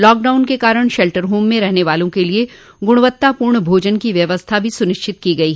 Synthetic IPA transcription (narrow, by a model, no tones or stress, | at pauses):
lɔːk̚ɖaːʊnkekaːɾəɽ̃ʃɛlʈəɾɦuːmːẽɾɛɦneʋaːlõkelie | ɡʊɽ̃ʊʋət̪ːapuːɾɳəbʱoːd͡ʒənkiʋjɐʋəst̪ʰabʱisʊnɪʃt͡ʃɪt̪̚kiɡɐiɦ